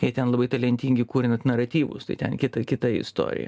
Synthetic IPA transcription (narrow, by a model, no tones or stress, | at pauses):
jɪt̪ʲɛnlˠɐbɐɪt̪ɐlʲɛnʲt̪ʲiŋʲɡʲɪkuːɾʲɪnɐt̪nɐɾɐt̪ʲiːʋʊ̰st̪ɐɪt̪ʲɛ̰nkʲɪt̪ɐkʲɪt̪ɐɪ̰st̪o̰ːɾʲɪ̰jɛ̰